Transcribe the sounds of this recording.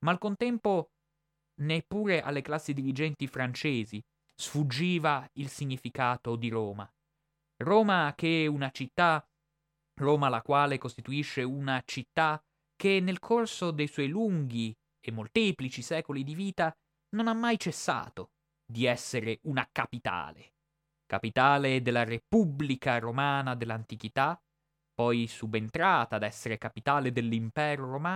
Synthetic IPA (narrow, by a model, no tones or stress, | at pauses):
maːlkont̪ɛmpo | nepːuːɾeʔa̰lːeklasːid̪iɾid͡ʒɛnt̪ifɾant͡ʃeːzi | sfud͡ʒːiːvailsiɲːifikaːt̪od̪iɾoːma̰ | roːmakeunat͡ʃit̪ːa | roːmalakwaːlekost̪it̪uiʃːeunat͡ʃit̪ːa | k̟enːelkʰorsod̪ejswɔjluŋɡi | emːolt̪iːplit͡ʃisɛːkolid̪iviːt̪a | nonamːajt͡ʃesːa̰ːt̪o | d̪iɛsːeɾeunakapit̪a̰ːlḛ | kapit̪aːled̪elːarepublikaɾomaːnad̪elːant̪ik̟it̪a | pːɔjsubent̪ɾaːt̪aːd̪ɛsːeɾekapit̪aːled̪elːimpɛːɾoɾomaː